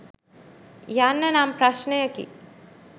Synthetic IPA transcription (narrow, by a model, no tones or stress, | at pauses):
jaːnːɐnaːmpɾaʃnɐjəkḭ